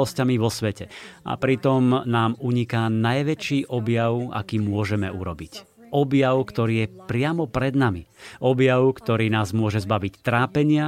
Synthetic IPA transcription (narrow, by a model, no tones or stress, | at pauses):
ɔscamiʋɔsʋɛcɛʔa̰pɾit̪ɔmnaːmuɲikanajʋɛt͡ʃiːʔɔbjaʊa̰kiːmʊɔʒɛmɛuɾɔbic | ʔɔbjaʊkt̪ɔɾiːjɛpɾɪamɔpɾɛd̪namiʔɔbjaʊkt̪ɔɾiːnaːzmʊɔʒɛzbaʋict̪ɾaːpɛɲɪa